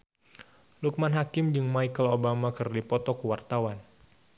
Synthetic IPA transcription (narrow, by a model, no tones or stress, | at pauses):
luk̚manɦakɪmd͡ʒɨŋmajkəlobamakɨrdipɔt̪ɔkuwart̪awan